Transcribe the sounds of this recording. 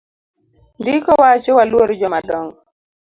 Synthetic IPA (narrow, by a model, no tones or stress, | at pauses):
ndɪkɔwat͡ʃɔwalwoɾd͡ʒɔmadɔŋ